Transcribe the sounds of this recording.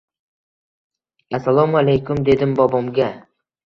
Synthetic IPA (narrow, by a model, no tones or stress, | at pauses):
asalˠɒmalejkʊmd̪e̞d̪ɪmbɒbɒmɡʲa